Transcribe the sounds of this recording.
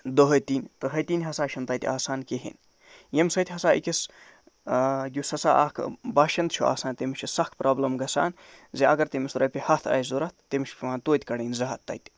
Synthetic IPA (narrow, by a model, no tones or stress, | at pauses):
d̪oɦɐt̪iːnʲt̪ɨɦɐjt̪iːnʲɦɐsaːʃʰɐnt̪ɐt̪ʲaːsaːnkeɦḭnʲ | jemsɐt̪ʲɦɐsaːʔikʲis | ɡʲusɐsa̰ːʔaːkʰbaːʃɐnd̪t͡ʃʰua̰ːsaːnt̪imiʃt͡ʃʰusɐxk̪ʰpɾʔaːblɐmɡɐsa̰ːn | zeʔɐɡɐɾt̪emist̪ɾɐpʲihɐt̪ʰɐ̰ːjzuɾɐt̪̚ʰːemiʃʰpʰʲimaːnt̪oːt̪ʲkɐɽiːnzɐɦɐt̪ːɐ̰jt̪ʲ